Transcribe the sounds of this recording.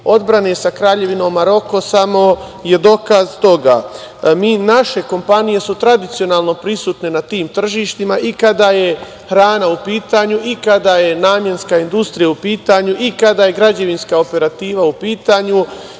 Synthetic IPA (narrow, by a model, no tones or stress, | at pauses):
o̞d̪bɾanesakɾaːʎe̞ʋinoːmːaɾo̞ko̞samo̞ | je̞d̪o̞kazt̪o̞ɡa̰miːnaʃe̞ko̞mpanije̞sut̪ɾad̪it̪sijo̞naːlˠno̞pɾisuːt̪ne̞nat̪iːmt̪r̩ʒiːʃt̪imaʔikad̪aje̞ | xɾaːnaupiːt̪aːɲuʔikad̪aje̞naːmje̞nskaind̪ust̪ɾijaupiːt̪aːɲuʔikad̪aːje̞ɡɾad͡ʑe̞ʋinskao̞pe̞ɾat̪iːʋaupiːt̪aːɲu